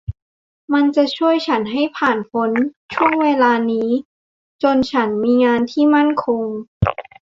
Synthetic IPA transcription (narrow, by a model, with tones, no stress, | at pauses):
ma˧nt͡ɕa˨˩t͡ɕʰu˥˩əjt͡ɕʰa˦˥nɦa˥˩jpʰaː˨˩npʰo˧˦˥n | t͡ɕʰu˥˩əŋweː˧laː˧niː˦˥ | t͡ɕo˧nt͡ɕʰa˦˥nmiː˧ŋaː˧nt̪ʰiː˥˩ma˥˩nkʰo˧ŋ